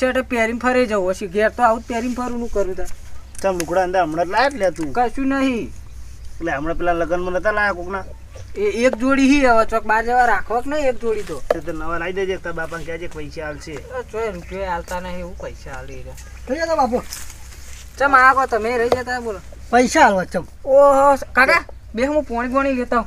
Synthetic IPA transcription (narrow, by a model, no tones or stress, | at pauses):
eʈəpaɾimpʰəɾed͡ʒawəʃiɡeɾt̪oaut̪̚pjaɾimpʰəɾunũkəɾjũt̪at͡ʃʰalukɽaənd̪aɾəmɽatlajet̪ljat̪ũkəʃũnəɦĩ | leəmɽapɛlanləɡənmənət̪alajakokna | eekd͡ʒoɽiɦiaʋat͡ʃok̚baɾd͡ʒəʋaɾakʰʋəknəɦĩek̚d͡ʒoɽit̪ot̪et̪enəʋaɾaid̪ed̪ek̚t̪abapaŋkjad͡ʒekpəjsealt͡ʃʰet͡ʃoend͡ʒoalt̪anəɦĩeũpəjsaːlɾəiɾa | ɾəid͡ʒat̪amap̬o | t͡ʃəmakot̪əmeɾəid͡ʒat̪aebola | pəjsaːlot͡ʃəm | oɦkaʈa | beɦmũpoɽ̃iɡoɽ̃ilet̪aũ